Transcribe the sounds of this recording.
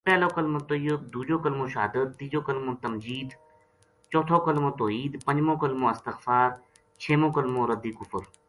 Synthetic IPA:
pɛːloːkəlmõt̪ojəb̚d̪uːd͡ʒoːkəlmõːʃɦa̰ːd̪ət̪ːiːd͡ʒoːkəlmõːt̪ɐmd͡ʒiːd̪ | t͡ʃɔːt̪ʰoːkəlmõːt̪oːɦiːd̪pə̃ɲd͡ʒmõːkəlmõːɪst̪ɪxfaːɾ | t͡ʃʰeːmõːkəlmõːɾəd̪iːkʊfəɾ

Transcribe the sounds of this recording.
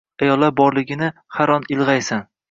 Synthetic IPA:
ajɒlˠːabɒɾlɪɡʲɪnɪhaɾɒnɪlˠʁajsan

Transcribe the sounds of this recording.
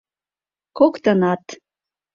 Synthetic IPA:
kokt̪ɤnɑt̪

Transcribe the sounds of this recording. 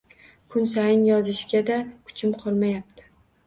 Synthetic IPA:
kʰʊnsajɪnjɒzɪʃɡʲad̪akʰʊ̥t͡ʃʰɪmqʰɒlˠmajap̚t̪ʰɪ̥

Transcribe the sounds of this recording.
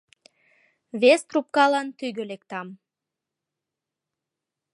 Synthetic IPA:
vʲest̪rup̚kalˠant̪yjɡølekt̪am

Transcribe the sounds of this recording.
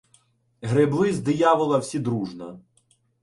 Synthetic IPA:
ɦɾeblˠɪzd̪ɪjaʋɪlˠɐwsʲid̪ɾuʒnɐ

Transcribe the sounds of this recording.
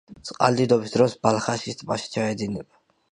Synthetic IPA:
t̪sʼqʼa̰ld̪id̪ɔbisd̪ɾɔsbalˠχaʃist̪ʼmaʃi̥t͡ʃʰaɛd̪inɛba

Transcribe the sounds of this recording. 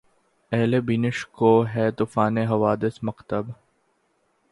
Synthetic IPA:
ɛɦlebiːnɪʃkoːɦɛːt̪ufaːneɦɐʋaːd̪ɪsmɐqt̪əb

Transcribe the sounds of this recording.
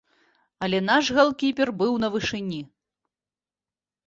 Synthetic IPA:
ɐlʲɛnaʂɣalˠkʲipʲɛrbɨwnɐvɨʂɨnʲi

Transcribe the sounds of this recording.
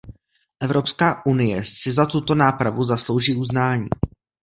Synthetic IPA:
ʔɛvɾo̞pskaːʔunɪjɛsɪzat̪ut̪o̞naːpɾavuzaslo̞wʒiːuznaːɲḭː

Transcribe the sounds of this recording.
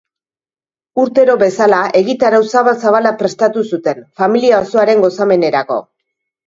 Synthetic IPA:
uɾt̪e̞ɾo̞βe̞salae̞ɣit̪aɾawsaβasaβalapɾe̞st̪at̪usut̪e̞nfamiliaoso̞aɾe̞ŋɡo̞same̞ne̞ɾako̞̰

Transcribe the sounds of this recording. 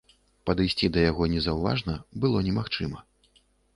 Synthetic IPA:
pɐd̪ɨjsʲt͡sʲid̪ɐjaɣɔnʲɛzɐwva̰ʐnɐbɨlˠɔnʲɛmaxt͡ʂɨmɐ

